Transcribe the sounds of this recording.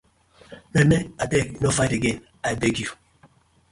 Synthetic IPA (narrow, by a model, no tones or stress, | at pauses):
mɛmɛadɛkinofaɪteɡẽn | ajbeɡju